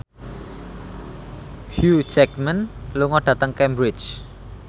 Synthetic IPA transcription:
hjut͡ʃɛkmənluŋɔɖ̥ä̤t̪əŋkɛmbɾɪt͡ʃ

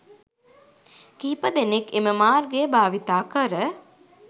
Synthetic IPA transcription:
kiːpəd̪enekeməmaːrɡejbaːʋit̪aːkəɾə

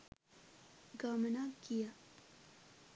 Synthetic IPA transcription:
ɡamnakija

